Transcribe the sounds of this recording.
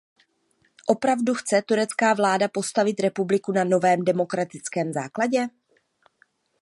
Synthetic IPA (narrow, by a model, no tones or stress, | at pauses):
ʔo̞pɾavduxt͡sɛt̪uɾɛt͡skaːvlaːdapo̞st̪avɪt̪ɾɛpublɪkunano̞vɛːmdɛmo̞kɾat̪ɪt͡skɛːmza̰ːklaɟɛ